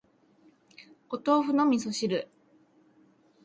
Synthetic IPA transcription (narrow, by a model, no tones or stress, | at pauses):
ot̪oːɸɯ̟nomʲisoɕiɾɯ